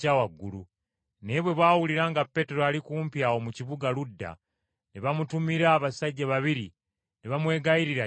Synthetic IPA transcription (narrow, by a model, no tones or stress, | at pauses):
awaɡːulu | neβwe̞βaːwuliɾaŋɡapːe̞te̞ɾoalikuːmpjawomuciβuɡaludːa̰ | neβamutumiɾaːβasaɟːaβaβiɾi | neβamwe̞ːɡaiɾiɾa